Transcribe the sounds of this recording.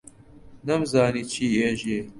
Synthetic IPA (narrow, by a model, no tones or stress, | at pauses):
nɐmzaːniːt͡ʃʰiːeːʒeː